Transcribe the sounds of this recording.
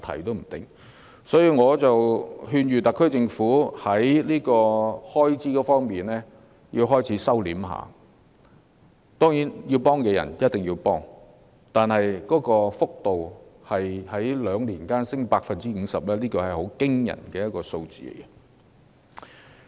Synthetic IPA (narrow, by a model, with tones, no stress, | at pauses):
t̪ʰɐ̰˨˩jt̪o˥wm̩˨˩t̪ɪ̰˨˩ŋ | sɔː˨˥jiː˧ŋɔː˨˧t͡sɐ˨wɦyː˧nɥyː˨t̪ɐ˨kʰːɵ˥ɥt͡sɪ˧ŋfuː˨˥hɐ˨˥jliː˥kɔː˧hɔː˥jt͡siː˥kɔː˨˧˥fɔː˥ŋmiː˨˩nɛː˥ | ji˧wɦɔː˥jt͡sʰiː˨˥sɐ˥wliː˨˥mɦa̰ː˨ | t̪ɔː˥ŋjiː˨˥nji˧wpɔː˥ŋkɛː˧jɐ̰˨˩njɐ˥t̚t̪ɪ˨ŋjiː˧wpɔː˥ŋ | t̪aː˨nhɐ˨jkɔː˨˥kɔː˧fʊ˥k̚t̪o˨whɐ˨jhɐ˨˥jlœː˨˧ŋliː˨˩nkaː˥nsɪ˥ŋpaː˧k̚fɐ˨nt͡siː˥ŋ̩ː˨˧sɐ˨p̚lɛː˥liː˥kɔː˧hɐ˨jho˨˥wkɪ˥ŋjɐ̰˨˩nkɛː˧jɐ˥kɔː˧so˧wt͡sḭː˨ɡɛ˧